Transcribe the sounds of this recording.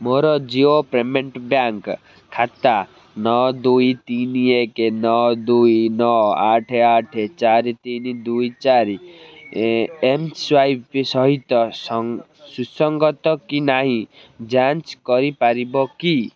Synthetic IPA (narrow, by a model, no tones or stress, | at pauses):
moɾɔd͡ʒiopɾemeɳʈbjaŋk | kʰːat̪a | nɔd̪ujt̪iniekenɔd̪ujnɔaʈʰeaʈʰet͡ʃaɾit̪inid̪ujt͡ʃaɾi | emswajpsɔɦit̪ɔs | susɔŋɡɔt̪ɔkinaɦĩ | d͡ʒant͡ʃkɔɾipaɾibɔki